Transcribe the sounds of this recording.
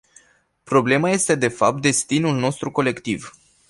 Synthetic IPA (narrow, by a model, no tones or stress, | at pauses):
pɾo̞ble̞maje̞st̪e̞d̪e̞fap̚t̪̚d̪e̞st̪inulno̞st̪ɾuko̞le̞kt̪iv